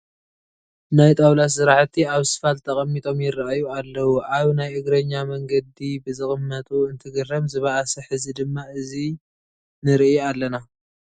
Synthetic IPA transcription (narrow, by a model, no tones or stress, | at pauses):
najt̪ʼawlas̬sɨɾaʕt̪ʰːiaβsɨ̥falt̪ʰɐχʼɐmːit̪ʼo̞mjɪrːaʔajualːɐwuʔaβnajʔɨɡɾɐɲːamɐŋɡɐd̪ibɨzɨxʼɨmːɐt̪ʼuɨnt̪ʰɨɡɨrːɐmzɨβaʔasɐħɨzid̪ɨmːaɨzi | nɨɾiʔalːɐna